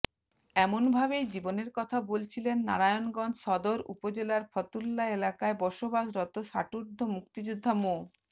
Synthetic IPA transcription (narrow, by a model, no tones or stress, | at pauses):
ɛmonbʱabejd͡ʑiboneɾkɔt̪ʰabolt͡ɕʰilenːa̰ɾajonɡɔnd͡ʑʃɔd̪oɾṵpod͡ʑelaɾfʰɔt̪ulːaelakaebɔʃobaʃɾɔt̪oʃaʈuɾd̪ʱomukt̪id͡ʑud̪ʱːamo